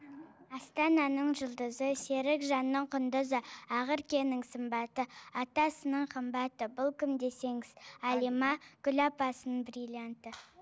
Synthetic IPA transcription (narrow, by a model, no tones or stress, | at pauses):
ɑst̪ɑnɑnəɴʒʊlˠd̪əzəse̞ɾɪkʒɑnːəɴqʰʊnd̪əzəɑʁəɾkʲe̞nɪŋsəmbɑt̪əɑt̪ɑsənəɴqʰəmbɑt̪əbʊlˠkʲʰɪmd̪e̞se̞ŋɪz̥ɑlimɑkʲʏlɑpɑsənəɴbrilʲijant̪ə